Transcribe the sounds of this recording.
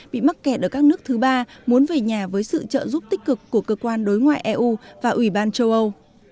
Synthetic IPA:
ɓḭ˧˨ma˦˥t̚kɛ˨˧˩t̚ʔəː˧˩kaː˦˥k̚nɨ˦˥ək̚t̪ʰɨ˨˦ɓaː˧mu˨˦ənve˨˩ɲaː˨˩vəː˨˦jsɨ̰˧˨t͡ɕə̰ː˧˨zu˦˥p̚t̪ï˦˥k̟̚kɨ˨˩kːu˧˩əkəː˧kwaː˧nɗo˨˦jŋwa̰ː˧˨jʔɛ˧ʔu˧vaː˨˩ʔwi˧˩ɓaː˧nt͡ɕə˧wʔə˧w

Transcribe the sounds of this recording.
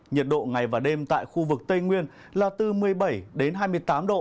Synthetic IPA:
ɲə˨˩t̚ɗo̰˧˨ŋa˨˩jvaː˨˩ɗe˧mt̪a̰ː˧˨jxu˧vɨ˨˩k̚t̪ə˧jŋwi˧ən | laː˨˩t̪ɨ˨˩mɨ˨˩əjɓə˧˩jɗe˨˦nɦaː˧jmɨ˧əjt̪aː˨˦mɗo̰˧˨

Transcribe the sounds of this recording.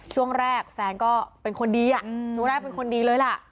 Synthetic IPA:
t͡ɕʰu˥˩əŋɾɛː˥˩k̚fɛː˨˧˦ŋkɔː˥˩pe˧nkʰo˧ndiː˧ʔa˨˩ʔu˥˩˨ŋɾɛː˥˩pe˧nkʰo˧ndiː˧lɤː˧jla˧˩ʔ

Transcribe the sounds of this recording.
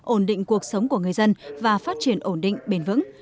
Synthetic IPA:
ʔo˧˩nɗḭ˧˨ŋ̟ku˨˩ək̚sə˨˦wŋ͡mku˧˩əŋɨ˨˩əjzə˧nvaː˨˩faː˦˥t̚t͡ɕi˧˩ənʔo˧˩nɗḭ˧˨ŋ̟ɓe˧nvɨ̰˧˥ŋ

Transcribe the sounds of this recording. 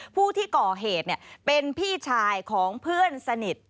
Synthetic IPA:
pʰuː˥˩t̪ʰiː˥˩kɔː˨˩ɦeː˨˩t̪̚ni˥˩əpe˧npʰiː˥˩t͡ɕʰaː˧jkʰɔː˩˦ŋpʰɯ˥˩ənsa˧ni˨˩t̪̚

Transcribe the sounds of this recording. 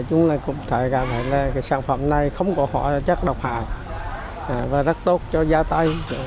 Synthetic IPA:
t͡ɕʊ˨˦ŋ͡mlaː˨˩kʊ̰˧˩wŋ͡mt̪ʰe˧˩˦ɣa˨˩p̚t̪ʰaː˧˨˩laː˨˩ka˨˦jsaː˧˩ŋfə̰˧˩mna˨˩jxə˧wŋ͡mkɔ˧˦hɔ̰˧˩˨jt͡ɕə˦˥k̚ɗə˨˩wk͡p̚ha̰ː˧˨j | aː˨˩vaː˨˩zə˦˥t̚t̪o˦˥t̚t͡ɕɔ˧zaː˧t̪a˧j

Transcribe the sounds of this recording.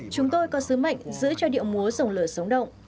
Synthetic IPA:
t͡ɕʊ˨˦ŋ͡mt̪o˧jkɔ˨˦sɨ˨˦ma̰˧˨jŋ̟zɨ̰˧˥t͡ɕɔ˧ɗḭ˧˨əwmu˨˦əzə˨˩wŋ͡mləː˧˩sə˨˦wŋ͡mɗə̰˧˨wŋ͡m

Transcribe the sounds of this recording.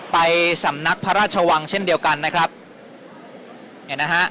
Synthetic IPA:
pa˧jsa˩˦mna˦˥k̚pʰa˦˧ɾaː˥˩t͡ɕʰa˧wa˧ŋt͡ɕʰe˥˩ndi˧əwka˧nːa˦˥kʰɾa˦˥p̚ | ha˨˩na˦˥kha˦˥ʔ

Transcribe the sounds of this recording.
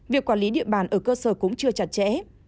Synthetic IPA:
vi˨˩əkwaː˧˩nli˨˦ɗḭ˧˨əɓaː˧˩nʔəː˧˩kəː˧səː˧˩kʊ̰˧˥ŋ͡mt͡ɕɨ˧ət͡ɕa˨˩t̚t͡ɕɛ̰˧˥

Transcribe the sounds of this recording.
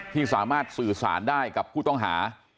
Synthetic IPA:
t̪ʰiː˥˩saː˩˦maː˥˩t̪̚sɯː˨˩sa̰ː˩˦ndaː˥˩jka˨˩pʰːuː˥˩t̪ɔ˥˩ŋɦaː˩˦

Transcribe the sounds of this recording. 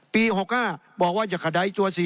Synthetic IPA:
piː˧ho˨˩k̚haː˧˥˩bɔː˨˩k̚waː˥˩t͡ɕa˨˩kʰa˧˩da˧˦jt͡ɕu˧ɐsi˨˦

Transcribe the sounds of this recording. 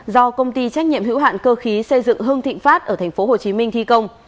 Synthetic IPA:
zɔ˧kə˧wŋ͡mt̪i˧t͡ɕa˦˥jk̚ɲḭ˧˨əmɦḭ˧˥wɦa̰ː˧˨nkəː˧xi˨˦sə˧jzɨ̰˧˨ŋɦɨ˧əŋt̪ḭ̈˧˨ŋ̟faː˦˥t̚ʔəː˧˩t̪ʰa˨˩ŋ̟fo˨˦ho˨˩t͡ɕi˨˦mï˧ŋ̟t̪ʰi˧kə˧wŋ͡m

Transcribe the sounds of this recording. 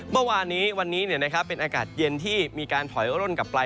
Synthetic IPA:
mɯ˥˩waː˧nːiː˦˥wa˧nːiː˦˥ni˥˩na˦˥kʰa˦˥pːe˧nʔaː˧ka̰ː˨˩t̪̚je˧nt̪ʰiː˥˩miː˧kaː˧nt̪ʰɔ˨˩˦jɾo˥˩nka˨˩pːlaː˧

